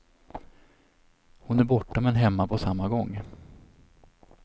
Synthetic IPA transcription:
hʊnæɾbɔʈːamɛnɦɛmːapʰɔsamːaɡɔŋː

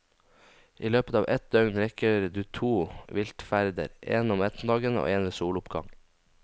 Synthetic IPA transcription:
ʔiːløːpət̪ɑːʋʔɛt̪̚d̪œŋnɾɛkəɾd̪ʉːt̪ʰuːʋɪlt̪fæɾd̪ə̰ɾʔeːnɔmɛt̪n̩d̪ɑːɡəno̰ːeːnɾəsuːlʊpɡɑ̰ŋ

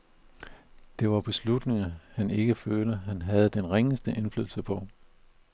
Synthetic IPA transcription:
d̥e̝ʋɑ̈b̥e̝slud̥ne̝ŋɐhæne̝ɡ̥əføːləɦænɦæð̞̩ˠd̥enʁeŋəsd̥əʔe̝nflyðˠl̩səpʰɒ̽

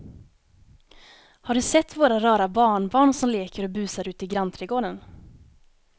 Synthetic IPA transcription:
haɖɵsɛt̪ːvoːɾaɾœːɾabɑːɳbɑːɳsɔmleːkəɾɔbʉ̟ːsaɾʉ̟ːt̪ɪɡɾant̪ʰɾɛɡoːd̪ən

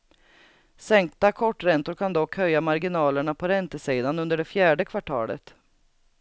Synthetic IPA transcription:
sɛŋk̚t̪akʰɔʈːɾɛnt̪ʊɾkʰand̪ɔkhœjːamaɾɡɪnɑːləɳapʰɔɾɛnt̪əsiːd̪anɵnd̪əɖɛfjæːɖəkʰvaʈʰɑ̰ːlə̰t̪

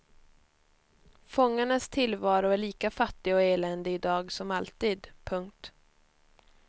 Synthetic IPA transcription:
fɔŋːaɳast̪ʰɪlvɑːɾʊæɭiːkafat̪ːɪaɔeːlɛnd̪əɪd̪ɑːɡsɔmalt̪iːd̪pʰɵŋk̚t̪

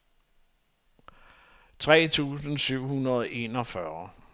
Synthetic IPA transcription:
t͡sʰʁɛ̰ːt͡sʰṵːsn̩syʊ̰hunɐðˠʔe̝̰ːnɒ̽fɶɐ

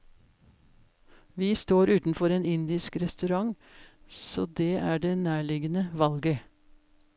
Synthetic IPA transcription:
ʋiːst̪oːɾʉːt̪n̩fɔɾeːnɪnd̪ɪskɾɛst̪ʉɾɑŋ | soːd̪eːæːɖeːnæːɭɪɡənəʋɑlɡə

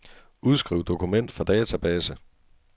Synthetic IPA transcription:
uð̞ˠsɡ̥ʁiʊd̥o̝kʰumen̰d̥fɑ̈d̥ɛːt͡sʰæb̥ɛːsə

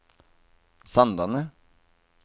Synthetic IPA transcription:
sɑnd̪ɑnə

